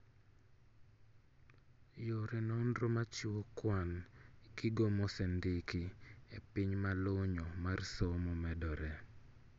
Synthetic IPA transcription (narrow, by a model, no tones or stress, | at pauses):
joɾɛnɔndɾomat͡ʃɪwokwanɡɪɡomɔsɛndɪkiepɪɲmaloɲɔmarsomɔmɛdɔɾɛ